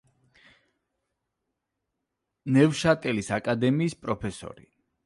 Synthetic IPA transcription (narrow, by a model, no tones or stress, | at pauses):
nɛvʃat̪ʼɛlisakʼad̪ɛmiːspʼɾɔpʰɛsɔ̰ɾi